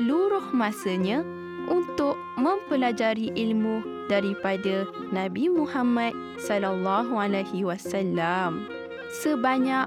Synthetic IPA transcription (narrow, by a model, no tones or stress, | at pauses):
luɾʊhmãsəɲã | ʔunt̪ʊʔ̚ | mə̃mpəlad͡ʒaɾiʔilmu | daɾipada | nãbimũhamat̪̚ | sɔlalːaɦualajhiwasalːam | səbaɲa